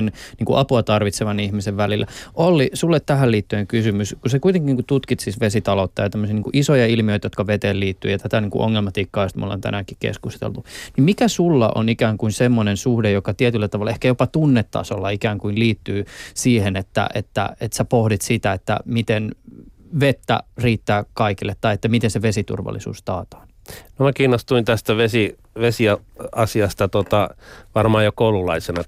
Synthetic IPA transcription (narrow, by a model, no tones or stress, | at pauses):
nniːŋkuʔɑpuɑt̪ɑrʋit̪seʋɑnihmiseʋʋælilːæʔolːisulːet̪t̪æɦælliːt̪ːyeŋkysymyskusekuijt̪eŋkiniːŋkut̪ut̪kit̪sisʋesit̪ɑlot̪ːɑjɑt̪æmːøsiːniːŋkuʔisojɑilmioit̪jot̪kɑʋet̪eːlliːt̪ːyːjɑt̪æt̪æniŋkuʔo̰ŋːelmɑt̪ikːɑost̪mṵlːḛnt̪æ̰nækikḛskust̪ḛlt̪unimmikæsulːɑ̰ʔo̰nikæːŋkuinsemːonensuhdejokɑt̪iet̪ylːæt̪ɑʋɑlːeehkæjopɑt̪unːet̪ːɑ̰solːɑikæːŋkuinliːt̪ːyːsiːhenet̪ːæ̰ʔet̪ːæ̰et̪sæpohdit̪sit̪æet̪ːæ̰mit̪en | ʋet̪ːæ̰riːt̪ːæːkɑikilːet̪ːɑiet̪ːæmit̪enseʋesit̪ṵrʋɑ̰lːḭsṵːst̪ɑːt̪ɑ̥ːn | nomækiːnːost̪uint̪æst̪æʋesi | ʋesiɑɑsiɑst̪ɑt̪ot̪ɑʋɑrmɑːjokoululɑisenɑ